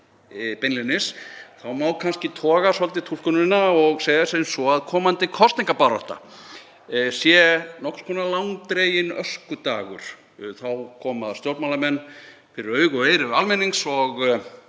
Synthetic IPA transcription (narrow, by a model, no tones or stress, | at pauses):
pɛnlɪnɪsθawmawkʰanscɪt̪ʰɔːɣasɔlt̪̬ɪt̪ʰulkʏnɪnːaɔɣsejðasɛðɪnsɔaðkʰɔːmant̪ɪkʰɔst̪iŋkapaɾɔ̰ht̪a̰ | sjɛnɔhkskʰɔnalawŋt̪ɾejɪnœ̰skʏt̪aːɣʏ̰ɾ̥ | θawkʰɔːmaðst̪jɔwɾt̪malamɛnː | fɪɾɪɾœːɥɣɔeːjɾɪɾalmeniŋsɔɣ